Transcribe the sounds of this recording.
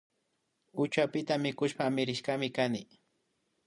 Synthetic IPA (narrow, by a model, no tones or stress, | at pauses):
ʊt͡ʃapɪt̪amɪkʊʃpamɪɾɪʃkamɪkanɪ